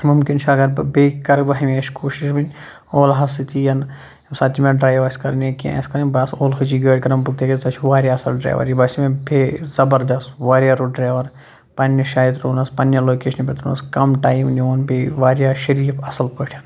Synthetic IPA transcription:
mumkint͡ʃʰɐɡɐɾbbeːkːɐɾbɐɦimeːʃkoːʃiʃbinʲ | oːlɦɐsit̪ijɐn | sɐt̪imẽɖɾaːjʋɐsʲkɐɾnekijã̰sʲkɐɾɐnbɐsoːlɦut͡ʃiːɡɐːʈʲkɐɾɐmbuk̚t̪ekit̪ɐt͡ʃʰuʋaːɾjaːɐsɐlɖɾa̰ːʋɐ̰ɾibɐsʲimẽbʱʲezɐbɐɾd̪ɐsʋaːɾjaɾoɖɾaːʋɐɾ | pɐnʲɐʃaːjit̪ɾoːnɐspɐnjɐloːkeːʃɐnbʲet̪unɐ̰skɐmʈaːjmnoːnbeʋaːɾʲjaːʃɐɾiːfɐsɐlpɐʈʰɐn

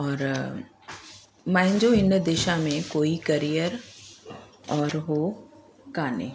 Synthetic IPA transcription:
ɔːɾ | mɛ̃ːɦɲd͡ʒoɪnd̪eːʃamẽkoːikɐɾijəɾ | ɔːɾɦoː | kaːnḛː

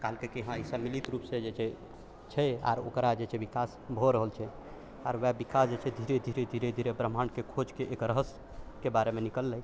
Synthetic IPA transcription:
kalkekeɦãisəmilit̪ɾupsẽd͡ʒet͡ʃʰɛ | t͡ʃʰɛa̰ɾo̰kɾad͡ʒet͡ʃʰɛbikasbʱoɾəɦəlt͡ʃʰɛ | aɾʋɛbikasd͡ʒet͡ʃʰɛd̪ʱiɾed̪ʱiɾed̪ʱiɾed̪ʱiɾepɾəmankekʰod͡ʒkeʔekɾəɦəs | kebaɾemenikəlːɛj

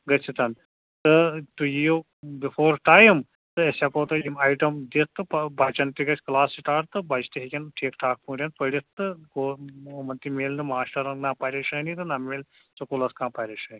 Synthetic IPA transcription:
ɡɐsʰit̪ɐn | t̪ɨt̪ujijo | bifʰoːɾʈaːjim | t̪ɨɐsʲakoːt̪ɐimaːjʈɐmd̪it̪t̪ːɨpɐbaːt͡ʃɐnt̪iɡɐt͡ʃʲklaːsiʈaːɖt̪ɨbat͡ʃt̪iɦikʲɐnʈʰeːkʈʰaːk̚pũːɖʲɐnpɐɽit̪t̪ːɨkoːmɐnt̪imeːlnɨmaːsʈɐɾɐnnapɐɾʲeʃɐːnit̪ɨnameːl | t͡ʃɐkulɐskãːpɐɾʲeʃɐni

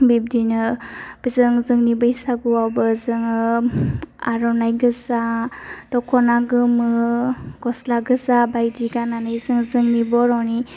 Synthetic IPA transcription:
bib̚dinɯb̥izɯŋzɯŋnibɯjsaɡuwawbɯzɯŋɯ | a̰ɾɔnajɡɯzad̥ɔkʰɔnaɡɯmɯɡ̥ɔslaɡɯzabajdiɡananɯjzɯŋzɯŋnibɔɾɔwni

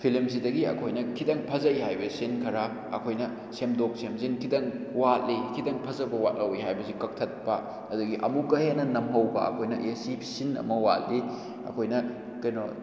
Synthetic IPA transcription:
pʰilimzidɐɡiɐ̰kʰojnɐkʰidɐŋpʰɐzɐjɦajbɐsinkʰɐɾa | ɐ̰kʰojnɐ | semdok̚semzinkʰidɐŋwat̚likʰidɐŋpʰɐzɐbɐwa̰t̚lɐwijɦajbɐsikɐk̚tʰɐt̚pɐ | ɐduɡiʔɐ̰mukɐɦenːɐnɐmɦɐwbɐ̰ɐ̰kʰojnɐ̰ʔesipʰsinɐ̰mɐwat̚li | ɐ̰kʰojnɐ | kɐjno

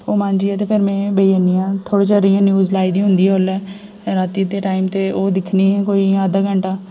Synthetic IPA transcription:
oːmãːnd͡ʒiːɛːt̪eːpʰɪɾmɛ̃ːbəiːəniːãːt̪ʰoːɽeːt͡ʃəɾijãːnjuːzlaːiːd̪ĩːɦʊ̃nd̪iːɛːɦoːlɛː | ɾaːt̪iːd̪eːʈaːimt̪eːoːd̪ɪkʰniːɦɛ̃ːkoːiːaːd̪aːɡəɳʈaː

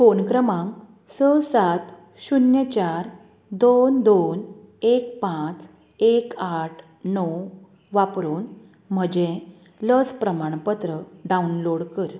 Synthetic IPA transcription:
fonkɾəmãŋ | səsat̪ | ɕunjət͡ɕaɾ | d̪ond̪onek̚pãt͡s | ekaʈʰ | nɔw | ʋapɾuːn | m̤əd͡ʑẽ | ləd͡zpɾəmaɳ̃pət̪ɾəɖaunloɽkəɾ

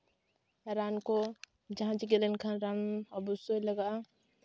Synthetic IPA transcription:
ɾaːnko | d͡ʒɦãd͡ʒiɡelənkʰanɾanɔbusoləɡa

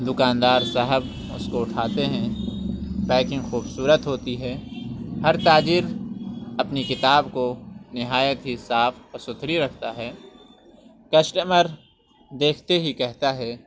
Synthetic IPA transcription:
d̪ʊkaːnd̪aːɾsɐɦəb | ʊ̰skoʊʈʰaːt̪eɦɛ̃ | bɛ̃ːkɪ̃ŋɡxuːbsuːɾət̪ɦoːt̪iɦɛːɦɐɾt̪aːd͡ʒɪɾ | ɐpnikɪt̪aːbkonɪɦaːjət̪ɦisaːfpɐsʊt̪ʰɾiɾɐkʰt̪aɦɛː | kɐsʈəməɾ | d̪eːkʰt̪eɦikɛɦt̪aɦɛː

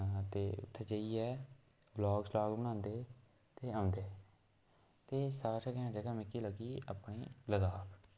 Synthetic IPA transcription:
t̪eːʊ̰t̪ʰːeːd͡ʒəiːɛː | blɔːɡslaːkbəñãːnd̪eː | t̪eːãːnd̪eː | t̪eːsaːsɛkɛãːd͡ʒəɡaːmɪkiːləɡiːəpɳiːləzaːkʰ

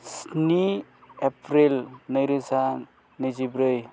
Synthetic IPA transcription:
sni | epɾelnɯjɾɯsa | nɯjzibɾɯj

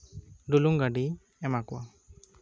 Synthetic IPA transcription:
ɖuluŋɡaɖi | ɛmakɔwa

